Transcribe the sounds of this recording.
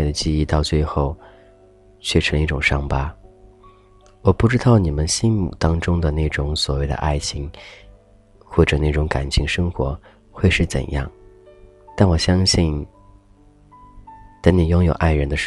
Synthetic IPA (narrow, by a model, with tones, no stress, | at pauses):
ɪd̪ə˩t͡ɕi˥˧i˥˧t̪ɑ˥˧ʊt͡swe˥˧ɪxo˥˩ʊ | t͡ɕʰɥɛ˥˩ʈ͡ʂʰə˧˥ŋi˥˩ʈ͡ʂʊ˨˩ŋʂɑ˥ŋpa˥ | wɔ˨˩pu˥˩ʈ͡ʂɻ̩˥t̪ɑ˥˩ʊni˨˩mə˦nɕi˥nmṵ˨˩t̪ɑ˥ŋʈ͡ʂʊ˥ŋd̪ə˨ne˥˩ɪʈ͡ʂʊ˧˥ŋswɔ̰˨˩we˥˩ɪd̪ə̰˩ʔa̰˥˩ɪt͡ɕʰi˧˥ŋ | xwɔ˥˩ʈ͡ʂɤ˨˩na˥˩ʈ͡ʂʊ˧˥ŋka̰˨˩nt͡ɕʰi˧˥ŋʂɤ˥ŋxwɔ̰˧˥ | xwe˥˧ɪʂɻ̩˥˩t͡sə̰˨˩njɑ̰˥˩ŋ | t̪a˥˩nwɔ˨˩ɕjɑ˥ŋɕi˥˩n | t͡sa˥nni˨˩jʊ˥ŋjo˨˩ʊʔa˥˩ɪɻə˧˥nd̪ə˧ʂ